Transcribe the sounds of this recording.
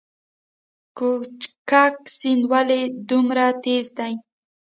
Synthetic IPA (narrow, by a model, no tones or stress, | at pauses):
kʊt͡ʃkak̚sɪnwaled̪ʊmɾat̪ezd̪aj